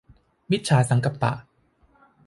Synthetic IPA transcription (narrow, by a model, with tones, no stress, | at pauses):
mi˦˥t̪̚t͡ɕʰaː˨˧sa˨˩˦ŋka˨˩p̚t̪a̰˨˩ʔ